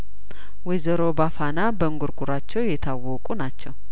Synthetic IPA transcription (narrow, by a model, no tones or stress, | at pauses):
wɛjzəɾo̞bafanabəŋɡuɾɡuɾat͡ʃːɛwjɛt̪ʰawːɔkʼunat͡ʃːɛw